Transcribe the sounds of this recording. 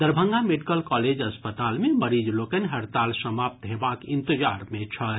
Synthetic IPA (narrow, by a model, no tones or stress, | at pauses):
d̪əɾbʱə̃ŋɡameɖikəlkɔled͡ʒəspət̪almeməɾid͡ʒlokənɦəɾt̪alsəmap̚t̪ɦebakĩnt̪əd͡ʒaɾmẽt͡ʃʰə